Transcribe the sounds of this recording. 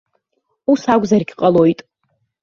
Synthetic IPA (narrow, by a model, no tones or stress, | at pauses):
usaɡʷzarɡʲqʼalo̞jtʼ